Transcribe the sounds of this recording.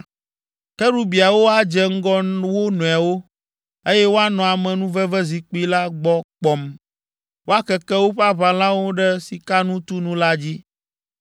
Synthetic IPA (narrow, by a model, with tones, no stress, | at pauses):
kɛ˦ɖu˦bi˨a˨wo˦a˨d͡ʒɛ˦ŋ̩˦ɡɔ˦wo˦nɔ̃˨a˨wo˦ | e˦jɛ˦wo˦a˦nɔ̃˨a˨mɛ̃˨nũ˦vɛ˦vɛ˦zi˨k͡pi˦la˦ɡ͡bɔ˦k͡pɔ˨m | wo˦a˦kɛ˨kɛ˦wo˦ɸa˦βa˨lã˦wo˦ɖɛ˦si˨ka˦nũ˦t̪u˦nũ˦la˦d͡ʑi˦